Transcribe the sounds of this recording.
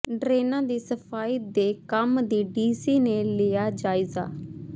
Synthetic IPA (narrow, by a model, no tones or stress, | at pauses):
ɖɾeːnãːd̪iːsəpʰaːiːd̪eːkəmd̪iːɖiːsiːneːleːaːd͡ʒaːɪza̰ː